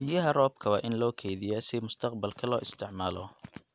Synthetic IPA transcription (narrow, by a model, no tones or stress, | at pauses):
ɪjɐɦɐrɔːb̚kʰɐwaːʔɪnlɔːkʰɛjðɪjasɪmʊst̪ʰɐqbɐlkʰɐlɔːʔɪst̪ʰɪʕmaːlɔ